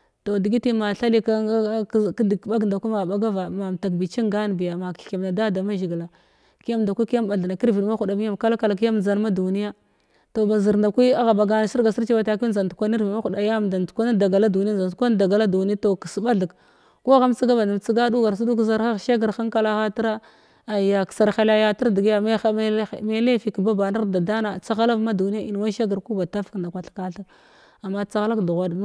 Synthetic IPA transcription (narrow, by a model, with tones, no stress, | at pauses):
to˨di˨ɡi˦ti˦ma˨ɬa˦li˦ka˦dɓa˦ɡda˨kʷi˦ma˨ba˦ɡa˦va˨ma˨m˨ta˨kbi˨t͡ʃi˦ŋɡa˦n˨bi˨ja˨ma˨ki˨m˨na˨da˦da˨ma˦ʒi˨ɡla˨ | ki˦ja˦m˨da˨kʷi˦kja˦mba˨ɮa˨na˨ki˦ɾvi˨˦ma˦xu˨da˨mi˦ja˦mka˦la˦ka˨la˨k̬i˦ja˦md͡za˨n˦ma˦du˨ni˦ja˦ | to˨ba˨zi˨ɾnda˨kʷi˦a˦ɣa˨ba˨ɡa˦na˨si˦ɾɡa˨si˦ɾt͡ʃi˦ba˨ta˨ki˦za˨ntu˨kʷa˦ni˦ɾvi˨ma˦xu˨ɗa˨ja˦mda˨n˨kʷa˦na˦da˨ɡa˨la˦du˨ni˦a˦˨za˨n˨kʷa˦n˦da˨ɡa˨la˦du˨n˦a˦to˨ki˨sba˦ɮi˨k | ko˦ɣa˦m˦t͡si˦ɡa˦ba˨da˨t͡si˦ɡa˦du˦ɡa˨ɾs̬u˦du˦kza˦ɾxa˦˨ʃa˦ɡə˨ɾxa˦ŋka˦la˦xa˦ti˦ɾa˦ | a˨ja˨ksa˨ɾxa˦la˦ja˦ti˦ɾdi˨ɡi˦ja˨ma˦xa˦˨me˦le˦fi˨kba˦ba˨na˦ɾda˨da˦na˨t͡sa˦ɣa˦la˦vma˦du˨ni˦ja˦ʔi˨n˨wa˦ʃa˦ɡə˨ɾku˦ba˨ta˦fknda˨kʷa˨ɬka˨ɬa˦b | a˨mːa˦t͡sa˦ɣa˦la˦kdu˨ɣʷa˨d